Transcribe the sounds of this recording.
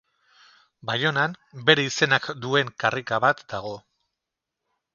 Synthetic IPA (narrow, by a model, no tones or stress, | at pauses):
bajo̞nambe̞ɾeise̞nakd̪ue̞ŋkarikaβ̞at̪d̪aɣ̞o̞